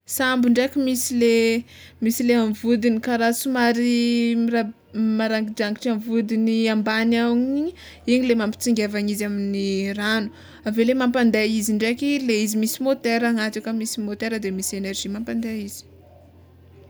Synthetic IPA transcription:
sambiɳɖ͡ʐekʲimisilemisileamvud̪inikaɾasumaɾira | maɾaŋɡid͡ʒaŋɡiʈ͡ʂamvud̪iniambanawɲni | iɲilemampi̥t͡siŋɡʲevaɲizaminiranu̥ | avelemampand̪eiziɳɖ͡ʐekʲileizimisimot̪eɾaŋat̪ukəmisimot̪eɾəd̪emisenerʒimampand̪eiz̥i̥

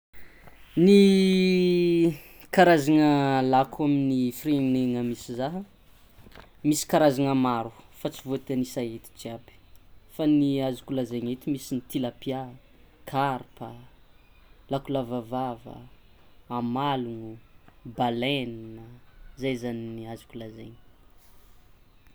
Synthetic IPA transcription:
ni | kaɾazaŋəlakʰaminifirenineŋəmisizaɦə | misi̥kaɾazaŋamaɾu̥fat͡sivot̪eanisaet̪i̥d͡ʒiabi̥faniazu̥kulazeɲet̪imisinit̪ilapja | kʰaɾpə | lakulavavavə̰ | amaluŋubalennəzajzaniniazu̥kulazeɲi̥

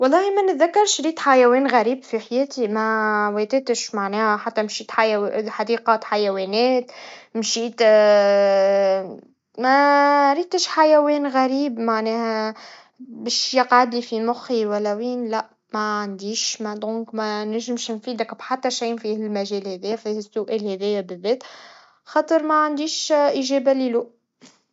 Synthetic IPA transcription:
wɑlˤːɑːhimænət̪ðakːɑɾˤʃɾiːt̪ħajæwɛːnɣæɾiːbfiħajæːt̪imæwet̪ɪt̪əʃmaʕnɛːhæħat̪ːæmʃiːt̪ħajħad̪iːqɑt̪ħajæwɛnɛːt̪mʃiːt̪ | mæɾiːt̪əʃħajæwɛːnɣæɾiːbmaʕnɛːhæ | bɛːʃjɑqʕad̪lifimʊxiwælːæwiːnlæʔ | mæʕand̪iːʃmæd̪ˤʁunkmænæʒɪmʃnfiːd̪ækbħat̪ːæʃijnfilmæʒɛːlhɛðiːfihsːʊʔɛːlhɛðɪjːæbɪðːɛːt̪ | xɑːt̪ˤəɾmæʕand̪iːʃʔiʒɛːbæliluːʔ

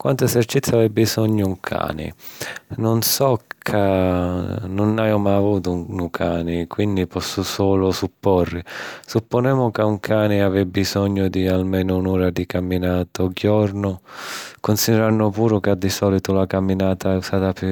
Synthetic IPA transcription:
kwa̰nt̪ʊɛzɛrt͡ʃit̪sːavɛbːizɔɲːʊuŋkʰa̰ːnɪ̰nʊnsɔkʰa | nʊnajomajavuːt̪ʊnukʰaːnɪkwind̪ipɔsːʊsɔːlʊsupːɔrːɪsupːʊnɛːmʊkauŋkʰaːnɪavɛbːizɔɲːʊd̪ialmɛːnʊunɔːɾad̪ikamːinaːt̪ɔɡjɔɾnʊkʊnsid̪ɛɾanːʊpuːɾʊkad̪ːisɔːlit̪ʊlakamːinaːt̪aɛusaːt̪ap

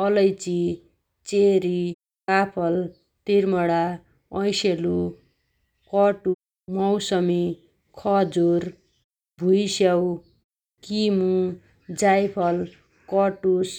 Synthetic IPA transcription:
ʌlʌjt͡si | t͡seɾi | kapʰʌl | t̪irmʌɽa | ʌjselu | kʌʈu | mʌwsʌmi | kʰʌd͡zur | bʱujsjaw | kimu | d͡zajpʰʌl | kʌʈus

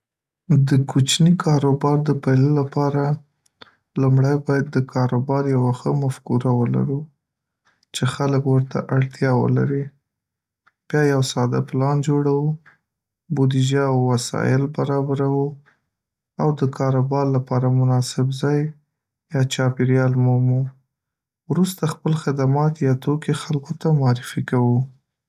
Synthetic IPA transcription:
d̪əkʰut͡ʃnikʰɑɾobɑɾd̪əpajlolapɑɾa | lumɽajbɑjad̪ːəkʰɑɾobɑɾjawaxəmafkuɾawəla̰ɾu | t͡ʃexaləkwəɾt̪a̰ʔaɽt̪jɑwə̰la̰ɾi | b̥jɑjawsɑd̪aplɑnd͡ʒoɽawu | bod̪id͡ʒaawːasɑ̰jɪlbaɾɑbaɾawu | awd̪əkʰɑɾabɑɾlapɑɾamʊnɑsɪbzɑj | jɑt͡ʃɑpeɾjɑlmumu | wɾust̪axpəlxɪd̪amɑt̪jɑt̪okexalkot̪amʊɑɾɪfikawu

